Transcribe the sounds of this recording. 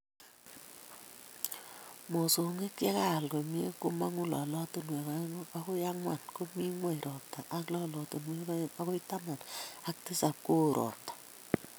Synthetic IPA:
mo˨so˨ŋe˦kja˦ka˦˨lɡo˨mi˦e˦ku˦ma˦ŋu˦lɔ̰˨lɔ˦to˦nwe˨ka˦a˦ko˦ja˦ŋwa˨nko˦mi˦ŋwe˦˨ɾʔɔ˨ta˨ʔa˦klɔ˦lɔ˨to˨nwe˦a˦ko˦i˦ta˦ma˨na˦k̚ti˦sa˨p̚ko˦˨ɾʔɔ̰˨tḁ˨

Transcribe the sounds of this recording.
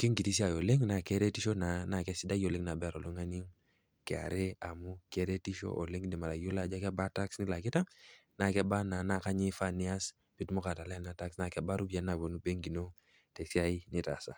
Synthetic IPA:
ki˦ŋɡi˨ti˦s̬i˦a˨jo˨le˦ŋna˨ke˦ɾe˦ti˦ʃo˦na˨na˨kɛ˦si˦da˦jo˨le˦ŋna˨bɛ˦a˨ɾo˨lu˦ŋa˦ni˦ŋ | kɛ˨a̰˨ɾe˦a˨mu˦ke˨˦ɾe˦ti˦ʃo̰˦ʔo˨le˦ŋ˦ni˨ma˨ɾa˨jo˦la˨d͡ʒa˦kɛ˦ba˦ta˦ksni˦la˨ki˦ta˦ | na˨kɛ˦ba˦na˨na˦ka˦ɲi˦fa˦ni˦a˦s | pi˨tu˦mo˦ka˨ta˨la˦a˦lna˦ta˦ksna˨kɛ˨ba˦ɾu˦bi˨a˦na˨wo˨nu˦be˦ŋɡi˨no˦ | te˨si˦a˨i˦ni˦ta̰˨sa̰˨

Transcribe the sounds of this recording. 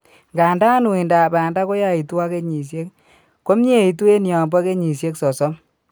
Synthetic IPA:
ŋɡa˨nda˦nu˨i˨nda˨ba˨nda˦ko˦ja˦i˨tu˦wa˦ke˦ɲi˨s̬je˦k | ko˦mɲe˦˨i˨tu˦e˦nja˨mba˦ke˦ɲi˨sje˦ksɔ˨sɔ˦m

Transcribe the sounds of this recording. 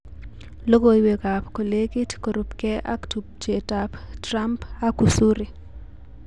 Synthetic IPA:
lo˦ɡo˨iwe˨ɡa˨pko˨le˦ki˦tko˨ɾupkɛ˦ʔa̰˦ktup̚d͡ʒe˨taptra˦mpa˦ɡu˨su˦ɾi˨

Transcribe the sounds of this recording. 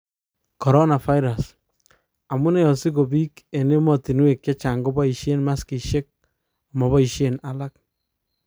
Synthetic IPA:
kɔ˨ɾɔ˦na˨fa˦jɾa˨s | a˨mu˦nɛ˦jɔ˨si˦ko˨bi˦ke˨ne˦mɔ˨ti˨n˦we˨kt͡ʃe˦t͡ʃa˨ŋɡo˦bɔ˦i˨ʃe˦nma˦ski˨ʃe˦k̚ | a˨mɔ˨βɔ˦i˨ʃe˦na˨la˦k̚

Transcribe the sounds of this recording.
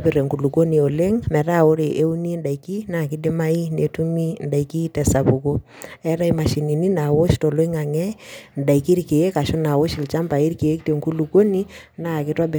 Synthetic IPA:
bɪ˨ɾe˨ŋku˨lu˨ko˦ni˨o˨le˦ŋmɛ˨ɾa˦˨o˦ɾe˨ʔe˦u˦ni˦nda˨i˨ki˦na˦˨kɪ˦dɪ˦ma˦i˦ne˨tu˦mi˦nda˨i˨ki˦tɛ˨sa˨pu˨ko˦ | ɛ˦ɾa˦i˦ma˨ʃi˨ni˨ni˦na˨wo˦ʃto˨lwi˦ŋa˨ŋɛ˦n˨da˨i˨ki˦ɾke˨e˦ka˨ʃo˦na˨wo˦ʃɪ˨lt͡ʃa˦mba˨i˦ɾke˨e˦k̚te˨ŋku˦lu˨ko˦ni˦ | na˦˨kɪ˦twa˦bɪ˨

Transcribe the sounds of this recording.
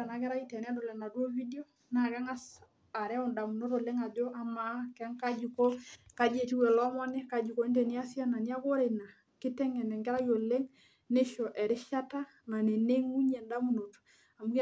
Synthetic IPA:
a˨na˨kɛ˦ɾa˦i˦tɛ˨nɛ˦to˨lɛ˨na˨dwo˦vi˦di˦o˦ | na˨kɛ˦ŋa˦s | a˨ɾɛ˦ɔ˨nda˨mu˨no˦to˨le˦ŋa˨d͡ʒo˦ʔa˨ma˨kɛ˦ŋka˦d͡ʒu˨ko˦ka˨d͡ʒe˨ti˦wɛ˨lɔ˦mɔ˦nɛ˦ka˨d͡ʒu˨ko˦i˦ntɛ˨ni˦a˦sja˦na˨ni˦a˦ko˦ɾe˨na˨ | kɪ˦tɛ˦ŋɛ˨nɛ˨ŋɡɛ˦ɾa˦jo˨le˦ŋ | ne˦ʃɔ˨ʔɛ˨ɾɪ˦ʃa˦ta˦ | na˨ne˨ne˦ŋu˦ɲɛ˨nda˦mu˨no˨t | a˨mu˦k

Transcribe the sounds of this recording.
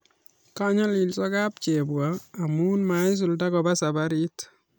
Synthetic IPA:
ka˦ɲɔ˦li˨lsɔ˦ka˦p̚t͡ʃe˨bwaː˨mu˦nma˨ɪ˦s̬ʊ˨lda˦kɔ˨ba˦sa˨baɾi˦t

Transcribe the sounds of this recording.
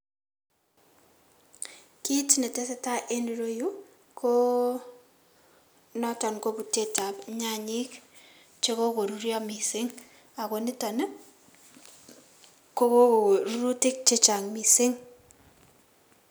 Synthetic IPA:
ki˦tne˨te˦se˦ta˦ʔe˦ni˨ɾo˦ju˦ | kʰo˦ | nɔ˦tɔ˨nko˦bu˨te˦ta˨pɲa˦ɲɪ˦k | t͡ʃe˦ko˦ko˨ɾu˦ɾja˦mi˨sɪ˦ŋ | a˨ko˨ni˦ta˨n˦ | ko˦ko˦˨ɾu˦ɾu˦tɪ˦k̚t͡ʃe˦t͡ʃa˨ŋmi˨sɪ˦ŋ

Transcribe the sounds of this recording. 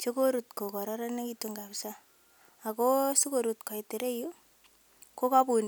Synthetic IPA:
so˦ko˦ɾu˨tko˨kɔ˨ɾɔ˦ɾa˦ne˦ki˦to˦ŋɡa˨psa˦ | a˨ko˦so˦ko˨ɾu˨tkɔ˨i˨te˨ɾe˦ju˦ | ko˦ka˦pu˨n

